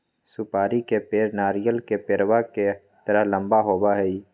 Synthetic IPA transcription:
sʊpaːɾikepeːɾnaːɾijəlkepeːɾwake | t̪əɾəɦlə̃mbaɦoːbaɦɛi

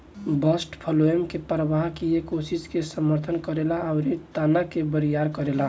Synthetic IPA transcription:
bəsʈpʰəloemkepɾəʋaɦkiekosiskesəməɾt̪ʰənkəɾelaaʊɾet̪aːnakebəɾijaɾkəɾela

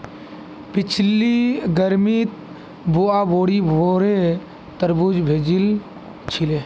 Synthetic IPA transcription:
pɪt͡ʃʰliɡəɾmit̪ | buaboːɽibʱoɾe | t̪əɾbud͡ʒbʱeːd͡ʒil | t͡ʃʰileː

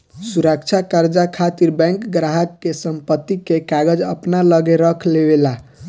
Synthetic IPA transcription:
suɾəkt͡ʃʰakəɾd͡ʒakʰat̪iɾbɛ̃ŋkɡɾaɦəkːesəmpət̪ːikekaɡəd͡ʒəpnaləɡeɾəkʰlebela

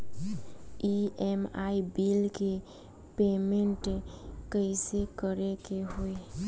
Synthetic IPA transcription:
iemaibilke | pemenʈkəɪsekəɾekeɦoj

